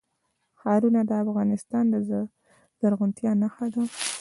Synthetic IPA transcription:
xɑɾunad̪əafɣɑnɪst̪ɑnd̪ə | z̥aɾɣʊnt̪jɑnaxad̪a

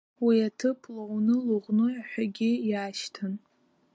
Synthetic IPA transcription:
wiatʰɨpʰlownɨluʁnɨaħʷᶣaɡʲɪjaːʃtʰan

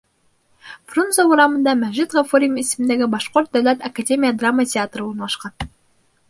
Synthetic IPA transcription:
frunzouɾɑmɤ̆nd̪ɑmæʒit̪ʁofoɾʲijmisɘ̆mnd̪æɡɘbɑʃqort̪̚d̪æwlʲæt̪ɐkadʲemʲijad̪rɑmːətʲeat̪rəuɾnlˠɑʃqɑn

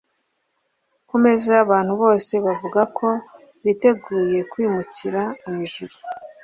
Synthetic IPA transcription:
kume̞zeaβaːn̥huβo̞ːse̞βavuɡakʰo̞ | βite̞ɡuːje̞kwiːmuciɾamŋiːʒuɾo

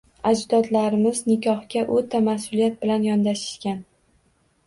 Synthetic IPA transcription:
ad͡ʒd̪ɒd̪laɾɪmɪznɪkʲʰɒhkʲaʔot̪ʰamasʊlijat̪̚bɪlanjɒnd̪aʃɪ̥ʃkʲan

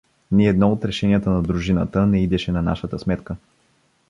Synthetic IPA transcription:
niɛd̪nɔot̪ɾɛʃɛniət̪ənɐd̪ɾuʒinə̰t̪ənɛid̪ɛʃɛnɐna̰ʃət̪əsmɛt̪kə

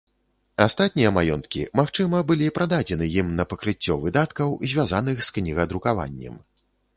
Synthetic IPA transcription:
ast̪at̪̚ʲnʲijɐmajɔnt̪kʲḭmaxt͡ʂɨmɐbɨlʲipɾʔad̪ad͡zʲɛnɨjimnɐpɐkɾɨt͡sʲːɔvɨd̪at̪kɐwzʲvʲazanɨxsknʲiɣɐd̪ɾukava̰nʲːɛ̰m

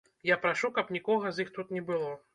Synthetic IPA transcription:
japɾaʂukɐpnʲikɔɣɐzixt̪ut̪nʲɛbɨlˠɔ

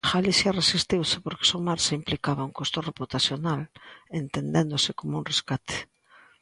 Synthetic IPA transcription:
ɣalisjaresist̪iwsɪpoɾke̥somaɾsimplikaβauŋkost̪oreput̪aθjonalent̪end̪end̪osɪkomouŋreskat̪ʰe̥

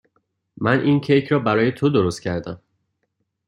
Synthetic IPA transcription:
mænʔiːncʰejcʰɾɒːbæɾɒːje̞t̪ʰod̪o̞ɾo̞st̪̚cʰæɾd̪æm

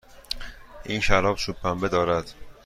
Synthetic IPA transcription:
ʔiːnʃæɾɒːbsupʰːæmbed̪ɒːɾæd̪̥

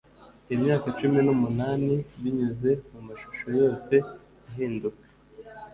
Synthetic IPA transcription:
imɲaːkat͡ʃuminumunaːniβiɲuze̞mumaʃu̥ʃo̞jo̞ːse̞ | iɦiːnduke̥

